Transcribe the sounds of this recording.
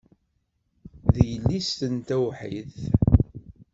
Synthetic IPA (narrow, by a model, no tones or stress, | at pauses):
ðəjəlːist̪ənt̪æwħiθ